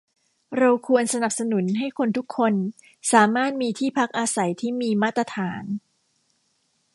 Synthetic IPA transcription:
ɾa˧wkʰu˧ənsa˧na˨˩p̚sa˧nu˨˩˦nɦa˥˩jkʰo˧nt̪ʰu˦˥kʰːo˧n | saː˩˦maː˥˩t̪̚miː˧t̪ʰiː˥˩pʰa˦˥k̚ʔaː˧sa˩˦jt̪ʰiː˥˩miː˧maː˥˩t̪ːɾa˧t̪ʰaː˩˦n

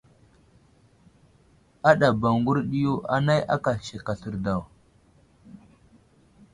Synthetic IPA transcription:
a˦ɗa˨ba˨ŋɡu˦ɾɗi˦ju˦ʔa̰˨na˦ja̰˦ka˨ʃe˨ka˨ɬə˨ɾda˨w

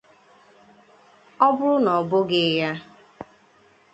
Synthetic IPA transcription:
ɔ˦bʊ˦ɾʊ˦nɔ˨bʊ˦ɡɪ˦ja˦

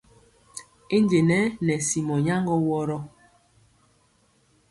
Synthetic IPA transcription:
e˦nd͡ʒe˨nɛ˦nɛ˨si˨mɔ˨ɲa˦ŋɡɔ˦wɔ˦ɾɔ˦

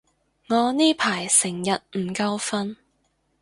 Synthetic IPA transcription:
ŋɔː˨˧niː˥pʰaː˨˩jsɪ˨˩ŋjɐ˨t̚m̩˨˩kɐ˧wfɐ˥n

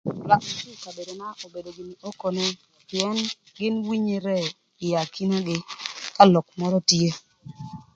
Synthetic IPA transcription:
la˨ma˦t͡ʃu˦ka˨be˨do˨na˦ʔo˨be˨do˨ɡɪ˨ni˨ʔo˦ko˨nɛ˦ | pɪ˨ɛ˦n | ɡɪ˦nwi˦ɲe˨ɾɛ˦ | ɪ˨ja˨ki˦na˦ɡɪ˦ka˦lɔ˨k̚mɔ˦ɾɔ˦tje˦

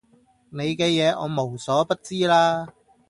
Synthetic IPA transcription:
ne˨˧jkɛː˧jɛː˨˧ʔɔ̰ː˨˧mo˨˩wsɔː˨˥pɐ˥t̚t͡siː˥laː˥

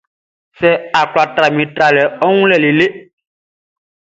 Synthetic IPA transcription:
sɛ˦a˨k͡pla˨tɾa˨mĩ˨tɾa˨lɛ˨ɔ˦ŋũ˦lɛ˦˨le˨le˦

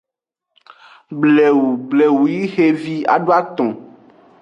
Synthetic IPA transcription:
blɛ˨wu˨ble˨wu˨ji˦xe˦vi˦a̰˨ɖo˦a˦t̪ɔ̃˨

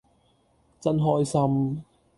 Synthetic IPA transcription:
t͡sɐ˧nɦɔː˧jsɐ˧m

